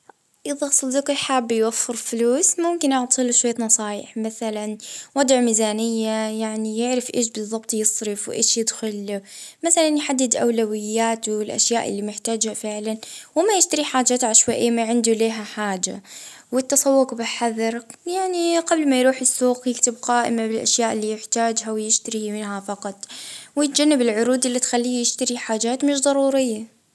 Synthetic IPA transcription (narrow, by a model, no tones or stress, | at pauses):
ʔɪðasˤɑd̪ɪkɾħaːbːjwafːɪɾfluːsmʊmkɪnʔɑʕt̪ˤiːluʃwajːt̪nɑsˤɑːjɪ̰ħmaθalanwɑd̪ˤʕmiːzaːnɪjːajaʕnijɪʕɾɪfʔeːʃbɨðˤːɑbt̪ˤjɨsˤɾɪfwʔeːʃjɪd̪xʊlmaθalanjħad̪ːɪd̪ʔa̰wlawɪjːaːt̪wɪlʔa̰ʃjaːʔɪ̰lːimɪħt̪aːd͡ʒhafɪʕlanwɪmajɪʃt̪aɾiħaːd͡ʒaːt̪ʕaʃwaʔɪːmaʕɪnd̪uleːɦaħaːd͡ʒa | wɪt̪ːɑsˤɑwːʊqbɪħaðɑɾˤjaʕniqɑblmajɾuːħɪsːuːqjɪkt̪ɪbqaːʔɪ̰mabɪlʔa̰ʃjaːʔɪlːijɪħt̪aːd͡ʒɦawɪjɪʃt̪aɾimɪnɦafɑqɑt̪ˤwɪjɪt̪̚d͡ʒanːabɪlʕʊɾuːd̪ɪlːit̪xalːiːjɪʃt̪aɾiħaːd͡ʒaːt̪mɪʃd̪ˤɑɾˤuːɾɪjːa